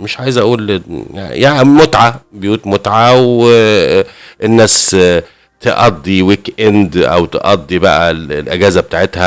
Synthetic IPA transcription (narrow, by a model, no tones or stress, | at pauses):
meʃʕaːjezʔæʔuːlja̰jaʕmot̪ʕabejuːt̪mot̪ʕaw | enːæːs | t̪eʔɑd̪ˤːiwikʔend̪ʔæ̰wt̪ḛʔɑd̪ˤːibæʔællʔæɡæːzæbet̪aːʕet̪hæ